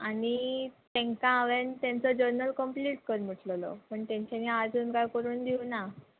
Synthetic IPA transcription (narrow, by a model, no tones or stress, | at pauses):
anit̪ɛ̃ŋkãːʋent̪jãnt͡sɔd͡ʑəɾnəlkəmpliʈkəɾm̤əʈʰllɔ̰pəɳt̪ẽɲt͡ɕaniad͡zuːnkajkəɾuːnd̪iuna